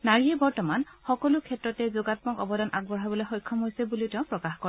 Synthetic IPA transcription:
naɹiɛbɔɹtɔmanxɔkɔlʊkʰɛtɹɔtɛzʊɡat̚mɔkɔbɔdanʔaɡ̚bɔɦabɔlojxɔjkʰːɔmɦojsɛbulitɛʊ̃pɹɔkaxkɔɹ

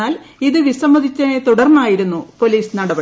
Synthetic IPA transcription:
aːliðɨʋisɐmbɐd̪ʱit͡ɕːɐt̪uɽɐrnːaːjiɾunːupo̞liːsnɐɽɐbɐ

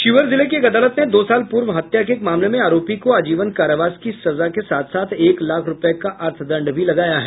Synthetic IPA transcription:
ʃɪʋəɾzɪlekeɡɐd̪aːlət̪ned̪oːsaːlpuːɾʋɦɐt̪jak̬eːkmaːmlemẽaːɾoːpikoaːd͡ʒiːʋənkaːɾəʋaːskisɐzakesaːt̪ʰsaːt̪ʰeːklaːkʰɾʊpekaʔɐɾt̪ʰd̪ɐ̃ɳɖbʱilɐɡaːjaɦɛː

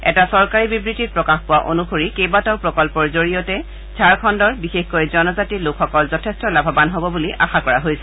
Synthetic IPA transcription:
ɛ̰tasɔɹkaɹibibɹititpɹɔkaxpʊwaʔo̰nuxoɹikejbatɔɹpɹɔkɔlpɔɹzoɹijɔtɛ | zʱaɹkʰɔndɔɹbixexkojzɔnɔzatilokʰxɔkɔlzɔtʰestɔlabʱabanɦobɔbuliʔa̰xakɔɹaɦojsɛ̥

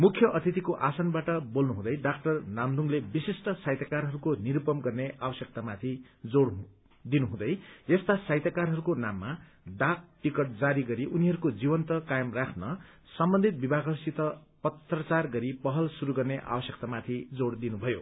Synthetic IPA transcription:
mukʰjʌʔʌt̪ʰit̪ikoʔasʌnbaʈʌbolnuɦũd̪ʌjɖakʈʌrnamd̪ʱuŋlebisisʈʌsajt̪jakarɦʌɾukoniɾupʌmɡʌrneʔabʌsjʌk̚t̪amat̪ʰi | d͡zoɽ | d̪inuɦũd̪ʌjest̪asajt̪jakarɦʌɾukonamːa | ɖak̚ʈikʌʈ̚d͡zaɾiɡʌɾiʔuniɦʌɾukod͡zibʌnt̪ʌkajʌmrakʰnʌ | sʌmbʌnd̪ʱit̪̚bibʱaɡʱʌsit̪ʌ | pʌt̪rʌt͡sarɡʌɾipʌɦʌlsuɾuɡʌrneʔa̰bʌsjek̚t̪amat̪ʰid͡zoɽd̪inubʱʌjo

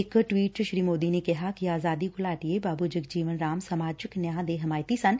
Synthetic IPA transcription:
ɪkʈwiːʈʃɾiːmoːd̪inekɐɦakiaːzaːd̪ikolaːʈiebaːbʱud͡ʒɪɡd͡ʒiːʋənɾaːmsamaːd͡ʒɪknjãːd̪eɦɐmaːjt̪isɐ̃n

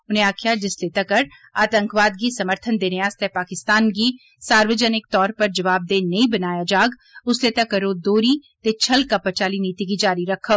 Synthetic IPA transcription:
ʊnɦẽaːkʰijad͡ʒɪslet̪ɐkɐɾ | aːt̪ə̃ŋkʋaːd̪kisɐməɾt̪ʰənd̪eːneaːst̪ɛpaːkɪst̪aːnk̬i | saːɾʋəd͡ʒənɪk̚t̪ɔːɾpɐɾd͡ʒɐʋaːb̚d̪eːnɐɦĩbɐnaːjad͡ʒaːɡ | ʊslet̪ɐkɐɾoːd̪oːɾit̪et͡ʃʰɐlkapɐt͡ʃaːliniːt̪ikid͡ʒaːɾiɾɐkʰːa

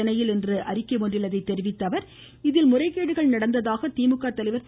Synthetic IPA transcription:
ɐnɐjɪlɛndrɯʔɐɾɪkːɐɪʋɔndrɪlːɐðɐɪt̪ːɛɾɪʋɪt̪ːɐʋɐɾ | ɪðɪlmʊrɐɪkːeːɽɯɣɐɭnɐɽɐnd̪ɐðaːɣɐt̪iːmɯkːaːt̪ːɐlɐɪʋɐɾ

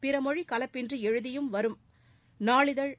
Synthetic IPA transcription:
pɪɾɐmɔɻikɐlɐpːɪndrɯɛɻɯðɪjɯmʋɐɾɯm | naːɭɪðɐɭ

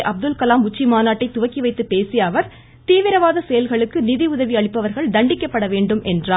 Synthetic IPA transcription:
ʔɐb̚d̪ɯlkɐlaːmʊt͡ʃːimaːnaːʈːɐɪt̪ːʊʋɐkːiʋɐɪt̪ːɯpːeːsɪjaːʋɐɾ | t̪iːʋɪɾɐʋaːðɐsɛjɐlɣɐɭɯkːɯnɪðiʊðɐʋiɐɭɪpːɐʋɐɾɣɐɭd̪ɐɳɖɪkːɐpːɐɽɐʋeːɳɖɯmʔɛndraː

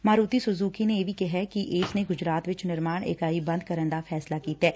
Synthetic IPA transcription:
maːɾuːt̪isʊzuːkinejeʋʱikɛɦɛkiʔɪːsneɡʊd͡ʒɾaːt̪ʋɪt͡ʃnɪɾmaːɽ̃ḛːkaːibɐ̃nd̪̚kɐɾə̃nd̪afʰɛːslakiːt̪ɦɛː

